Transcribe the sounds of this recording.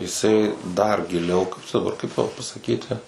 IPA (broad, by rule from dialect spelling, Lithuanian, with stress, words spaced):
jɪˈsɐɪ dɐr ɡʲɪˈlʲɛʊ ˈkɐɪp t͡ʃʲɛ dɐˈbɐr kɐɪp tɐʊ pɐsɐˈkʲiːtʲɪ